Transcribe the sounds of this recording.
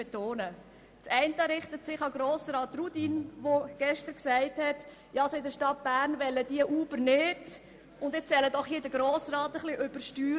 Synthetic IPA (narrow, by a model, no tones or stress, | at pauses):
ɛt̪oːnə | t͡sɛɪntəɾɪχtətsɪχɑɡɾoːsɾɑːt̪rudinvoɡ̥ɛʃtəɾksɛɪthɛt | jɑɑsɔɪdəʃtɑt̚b̥æːɾnʋɛləd̥iəʔuːbəɾnɪd | ʊndɪt͡ssɛlədɔχhiːdəɾɡɾoːsrɑːtəχliʔʏb̥əɾʃtyː